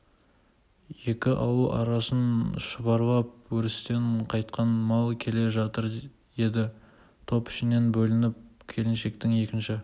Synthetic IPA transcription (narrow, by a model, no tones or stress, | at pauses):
je̞kʲɪʔɑwəʔɑ̰ɾɑsənʃəbɑɾlˠɑp̚wɵɾɪst̪e̞ɴqʰɑjt̪̚qɑnmɑlˠkʲʰe̞le̞ʒɑt̪əɾ | e̞d̪ɪ | t̪ʰo̞pɪ̥ʃɪne̞nbɵlɪnɪp̚kʲʰe̞lɪnʃe̞k̚t̪ɪŋe̞kʲɪnʃɪ